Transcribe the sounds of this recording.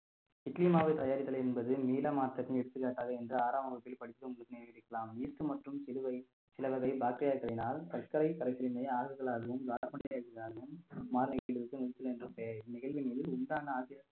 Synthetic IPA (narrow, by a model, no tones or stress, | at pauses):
ɪʈliːmaːʋɐɪt̪ɐjaːɾɪt̪ːɐlɛnbɐðɯmiːlɐmaːt̪ːɐkːɯmɛɽɯt̪ːɯkːaːʈːaːɣɐɛndrɯaːɾaːmɐbɐpːɪlpɐɽɪt̪ːkːɯmʊɽɯðɪneɪɽɯkːɐlaːmiːt̪ːɯmɐʈrɯmsɪlɯʋɐɪ | sɪlɐʋɐɣɐɪbaːk̚ʈːɾɪjaːɾkːɐɭɐɪnaːlkɐlkɐɾɐɪkɐɾɐɪsɪlɪnɐɪaːɣɯɣɐɭaːɣɐʋɯmɡaːɽɐpːɐɳɪaːɣɯɣaːɣɐɯmːaːɾnɪɣɐɾɯʋɯkːɯnɪɐt̪ːɯlɛndrɯpːeːnɪɣɐɭʋɪniːðɪlʊnd̪aːnɐaːsɪɾɐ